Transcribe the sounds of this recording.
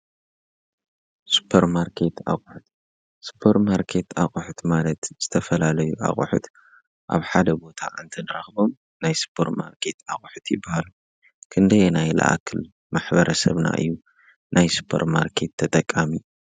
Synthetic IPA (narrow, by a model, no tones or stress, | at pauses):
su̥pʰːɐɾmaɾkʰe̞t̪a̰χʼħʊt̪ | su̥pʰɐɾmaɾkʰe̞t̪aχʼuħʊt̪malɐt̪z̥ɨt̪ʰɐfɐlalɐjuʔa̰χʼṵħṵt̪ | ʔa̰βħad̪ɐbo̞t̪ʰa̰ʔɨnt̪ʰɐnɨɾɐxbo̞m | najsu̥pʰːɐɾma̰ɾkʰe̞t̪a̰χʼħɨt̪jɪbːahalu | kʰɨnd̪ɐjenajlɐ̰ʔa̰kʰɨl | maħbɐɾɐsɐ̰βna̰ʔɨ̰jːu | najsu̥pʰɐ̰ɾmaɾkʰe̞t̪ʰːɐt̪ʼɐkʼːami